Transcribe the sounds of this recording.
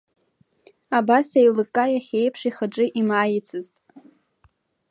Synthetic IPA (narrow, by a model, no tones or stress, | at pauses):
abasajlɨkʼajaχʲe̞jpʰʂiχaʈ͡ʂʼɨʔimaːjɪt͡sʰɨztʼ